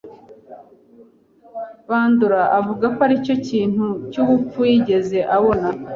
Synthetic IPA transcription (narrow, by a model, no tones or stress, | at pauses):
βaːnduɾaʔavuɡakoaɾico̞ciːn̥hucuβup͡fujiɟe̞ze̞ʔaβo̞na